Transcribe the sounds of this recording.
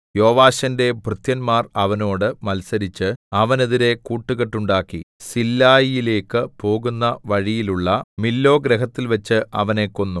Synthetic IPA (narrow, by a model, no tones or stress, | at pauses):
jo̞ːʋaːɕɐnde̞bʱrɨt̪jɐnmaːrɐʋɐno̞ːɽɨmɐlsɐɾit͡ɕːɨɐʋɐne̞ðiɾe̞kuːʈːuɣeʈːuɳɖaːkːisilːaːjijile̞ːkːɨpo̞ːɣunːɐʋɐɻijiluɭːɐmilːo̞ːɡɾeɦɐt̪ːilʋɐt͡ɕːɨʔɐ̰ʋɐne̞kːo̞nːu